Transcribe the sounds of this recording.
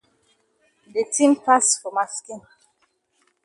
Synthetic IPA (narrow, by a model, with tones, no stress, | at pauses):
de˨tʰĩ˦mpla˦sfɔ˨ma˨skĩ˦˨n